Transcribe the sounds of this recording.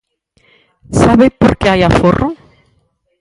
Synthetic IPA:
saβepoɾkeajaforʔo

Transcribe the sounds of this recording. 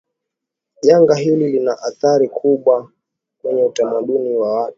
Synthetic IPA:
ʄaŋɡaɦililinaʔaθaɾikʰuɓwa | kwɛɲɛutamaɗuniwawatu̥

